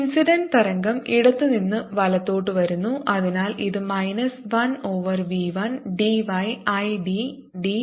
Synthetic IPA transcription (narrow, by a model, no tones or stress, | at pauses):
nsiɖɐnt̪ɐɾɐŋɡɐmiɽɐt̪ːɨninːɨʋɐlɐt̪ːo̞ːʈːɨʋɐɾunːuʔɐðinaːlʔiðɨmɐjnɐsʋɐno̞ːʋɐrʋiːʋɐnɖiʋɐjɐjɖi | ɖi